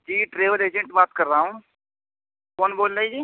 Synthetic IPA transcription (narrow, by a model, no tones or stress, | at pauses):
d͡ʒiːʈɾeːʋəleːd͡ʒə̃ɳʈbaːt̪kəɾːaɦũː | kɔːnboːlɾaid͡ʒiː